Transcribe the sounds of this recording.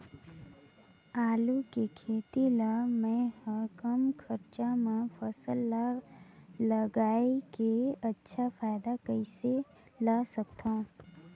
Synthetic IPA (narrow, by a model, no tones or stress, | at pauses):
aːlukekʰeːt̪ilamɛ̃həkəmkʰəɾt͡ʃamẽfʰəsəl | ləɡaːikeɐtːʃʰafaːjd̪akəɪse | lasək̚t̪aɦũ